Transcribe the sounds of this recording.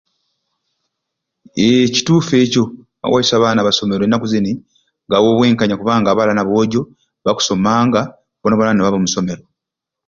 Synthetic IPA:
eci̥tuːfe̞ːco̞ | a̰wʔajisaːβaːnaβaso̞me̞ɾoenːakuzeni | ŋɡawo̞ːβwe̞ːŋkaɲakuβaːŋɡaːβalanaβo̞ːɟo̞ | βaku̥so̞maːŋɡa | βonaβonaneβaβomuso̞me̞ɾo̞

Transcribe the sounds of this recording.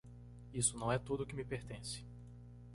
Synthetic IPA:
isʊnɐ̃w̃ɛt̪od̪ʊkɪmɪpeɾt̪ẽsɪ̥

